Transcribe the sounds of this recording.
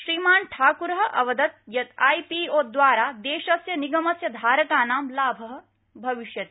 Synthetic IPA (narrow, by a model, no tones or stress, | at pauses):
ʃɾiːmaːnʈʰaːkuɾɦɐ̆ʔɐ̰ʋɐd̪ɐt̪̚jɐt̪aːjpiːoːd̪ʋaːɾaːd̪eːʃɐsjɐniɡɐmɐsjɐd̪ʱaːɾɐkaːnaːmlaːbʱɐɦɐ̆ | bʱɐʋiʃjɐt̪